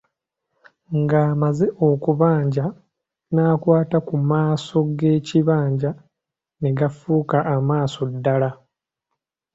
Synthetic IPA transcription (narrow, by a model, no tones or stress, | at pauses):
ŋɡaːmaze̞ʔokuβaːɲɟa | naːkwaːtakumaːso̞ɡe̞ːciβaːɲɟa | neɡafuːkaʔːmaːso̞dːala